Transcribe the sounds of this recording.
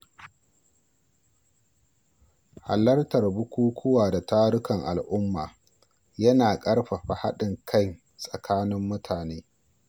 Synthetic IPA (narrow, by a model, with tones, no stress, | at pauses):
ha̰˨lɐ˦rtɐ˨rbʊ˦kʷuː˦kʷʰʊ˦waː˨da˨taː˦ɽʊ˦kɐ˨ŋʔa˨lʔʊ˦mːa̰ː˨ | jɐ˦naː˨kʼɐ˦ɽɸa˨ɸa˨ha˦ɗɪ˨ŋkʰɐ˦ŋ | sʼɐ˨kʰaː˦nɪ˦mːʊ˦tʰaː˨neː˦